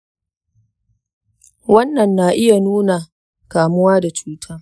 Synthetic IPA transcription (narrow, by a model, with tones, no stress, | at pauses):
wɐ˦nːɐ˨nːa˨ʔɪ˦ja˨nuː˦na˨ | kaː˨mʊ˦waː˦da˨t͡ʃuː˦tʰaː˦